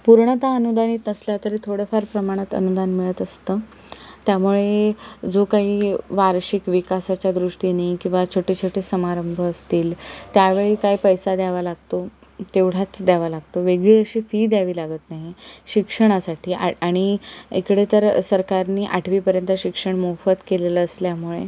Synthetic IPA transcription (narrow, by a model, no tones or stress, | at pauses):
puɾɳət̪aənud̪aniːt̪nəsljat̪əɾiːt̪ʰoɽefaɾpɾəmaɽ̃at̪ə̰nud̪anmiɭət̪əst̪əː | t̪jamuɭed͡zokaɦiːʋaɾɕikʋikasat͡ɕjad̪ɾuʂʈinaɦikĩʋat͡ɕʰoʈit͡ɕʰoʈiːsəmaɾəmbʱəːst̪iːlt̪jaʋeɭiːkaɦipəjsad̪aʋalaɡt̪o | t̪eʋɽ̤at͡sd̪aʋalaɡt̪oʋeɡɭiəɕiːfiːd̪jaʋiːlaɡət̪naɦiɕikʂəɽ̃asaʈʰiːʔa̰aɽ̃iḛkɽet̪əɾsəɾkaɾniːʔaʈʰʋiːpəɾjənt̪əɕikʂəɳmofət̪keleləːsljamuɭḛ